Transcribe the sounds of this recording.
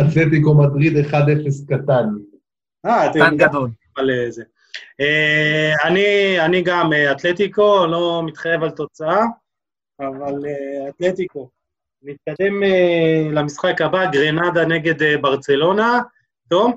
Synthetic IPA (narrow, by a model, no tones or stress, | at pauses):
at̪let̪ikomad̪ʁid̪eχad̪efeskat̪an | at̪anɡad̪ol | aleze | eanianiɡameat̪le̞t̪iko̞lo̞mit̪χaje̞valt̪o̞t͡saaː | valeat̪le̞t̪iko̞ | nit̪̚kad̪e̞melamisχakabaɡʁenad̪ane̞ɡe̞d̪ebaʁt͡se̞lo̞na | t̪om